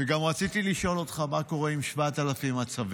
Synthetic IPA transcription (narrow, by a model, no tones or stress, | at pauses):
veɡamʁat͡sit̪iliʃo̞lo̞t̪χamako̞ʁe̞imʃvatalafimat͡sav